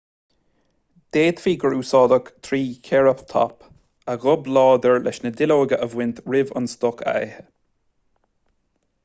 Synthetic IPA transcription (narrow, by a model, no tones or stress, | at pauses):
d̪̥eːt̪fiːɡɹuːsɔːd̪əkt̪ʰɹiːkʰɛɹəpt̪ʰɔ̰p | aɣɔblɔːd̪əɹlʔɛ̰ʃnəd̪ɪloːɡəʔəvwɪnt̪ɹɪvə̰nst̪ɔkʰa̰ɛ̰hə